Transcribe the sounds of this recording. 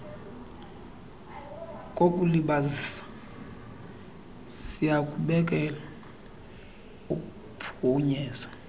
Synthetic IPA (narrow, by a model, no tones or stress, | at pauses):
kʼokʼuliɓazisḁ | sijakʼuɓɛk̬ʼɛla | ukʼu | pʰuɲɛːzwa